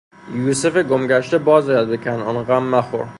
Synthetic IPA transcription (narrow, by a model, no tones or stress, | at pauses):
juːsefeɡomɡæʃt̪ebɒːzɒːjæd̪̚bekʲʰænɒnɣæmːæxo̰ɾ